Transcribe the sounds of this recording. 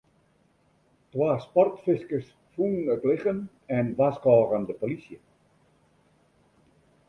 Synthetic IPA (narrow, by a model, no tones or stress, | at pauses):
twaːspɔrtfɪskəs | fuŋnətlɪχən | ɛnʋaskɔːrəndəpolisjə